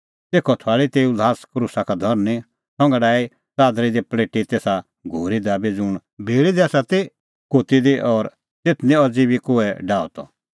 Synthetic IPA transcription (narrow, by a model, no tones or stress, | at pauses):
t̪eːkʰɔt̪ʰoaːɭit̪eːulaːskɾusakad̪ʱɔɾnĩ | sɔ̃ŋɡaɖaːi | t͡saːd̪ɾid̪ipleːʈit̪eːsa | ɡʱoːɾid̪abid͡zʊɳ̃ | bʱeːɭid̪iaːsat̪e | koːt̪id̪iʔɔɾ | t̪et̪ʰnĩɔd͡zibikoɛɖaːɔ̰t̪ɔ̰